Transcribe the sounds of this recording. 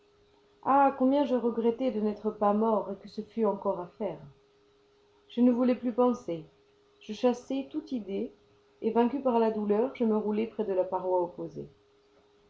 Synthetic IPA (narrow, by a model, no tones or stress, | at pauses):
akɔ̃bjɛ̃ʒəʁəɡʁɛt̪ɛd̪ənɛt̪χəpamɔʁekəsəfyɑ̃kɔʁafɛʁ | ʒ̥ənəvulɛplypɑ̃se | ʒ̥əʃasɛt̪ut̪id̪eː | vɛ̃kʲypaʁlad̪ulœʁʒəməʁulɛpχɛd̪əlapaʁwaopozḛ